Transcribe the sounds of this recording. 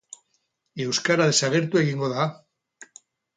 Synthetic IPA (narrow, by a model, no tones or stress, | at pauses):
iewskaɾaðesaɣeɾt̪ueɣiŋɡoða